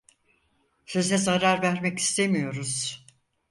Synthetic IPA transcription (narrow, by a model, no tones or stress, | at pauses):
sø̞zɛzaɾaɾvæɾmɛci̥st̪ʰemijo̞ɾuz̥